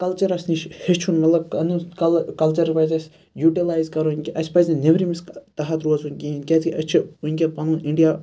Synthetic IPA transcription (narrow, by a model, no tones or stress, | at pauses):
kɐlt͡ʃɐɾɐsniʃhet͡ʃʰunmɐt̪lɐb̚kɐnukɐlkɐlt͡ʃɐɾpɐzɐsʲ | juːʈilaːjzkɐɾonʲkʲiʔɐsʲpɐzʲineʋɾimist̪ɐɦɐt̪ɾuːzunʲkʲinkʲet̪ʰkiʔɐt͡ʃʰiunʲkʲepɐnuːnʔiɳɖija